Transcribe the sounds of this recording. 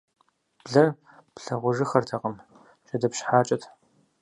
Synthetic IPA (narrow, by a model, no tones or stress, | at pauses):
b̥ɮɐr | pɬɐʁʷʊʒɨxɐrtʰɐqɐm | t͡ʃʼɐdɐpɕħaːt͡ʃʼɐtʰ